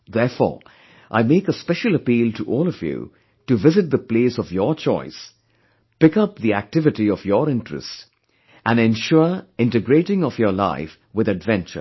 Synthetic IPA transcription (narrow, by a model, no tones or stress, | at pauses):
ðɛɹfɔ̰ːɹ | ʔa̰ɪmeːkəspɛʃəl̩ˠəpiːlˠtʰuʔɔːlˠɔvjṵ | ʈɨvɪzɨt̚d̪əpleːsɔvjət͡ʃɔɪs | pɪkʌp̚ðiæk̚tɪvɪtiɔvjəɾɪ̃ntɹɨ̰st | ʔæ̃nɛ̃nʃʊɹɪ̃ntɨɡɾeːɾɪ̃ŋɔvjə˞la̰ɪf | wɨðɨdvɛ̃nt͡ʃə̰˞